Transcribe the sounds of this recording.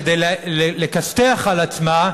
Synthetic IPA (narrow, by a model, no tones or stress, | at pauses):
d̪ejlelekasteaχalat͡sma